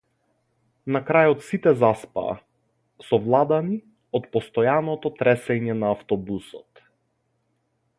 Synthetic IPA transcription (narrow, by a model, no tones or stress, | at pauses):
nakɾajɔt̪sit̪ɛzaspa̰ː | sɔvlˠad̪ani | ɔt̪pɔst̪ɔjanɔt̪ɔt̪ɾɛsɛɲɛnaːft̪ɔbusɔt̪